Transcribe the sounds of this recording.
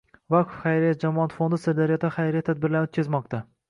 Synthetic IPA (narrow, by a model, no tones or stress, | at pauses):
vakʰofχajɾijat̪̚d͡ʒamɒat̪fond̪ɪsɪɾd̪aɾɪjɒt̪ːaχajɾɪjat̪ʰad̪̚bɪɾlaɾot̪̚ʲkʰʲazmɒqt̪a